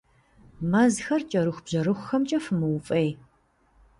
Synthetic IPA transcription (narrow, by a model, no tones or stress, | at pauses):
mɐzxɐrt͡ʃʼɐɾɨxʷb̥ʑ̥ɐɾɨxʷʊxɐmt͡ʃʼɐfɨmɨwʊfʼɐj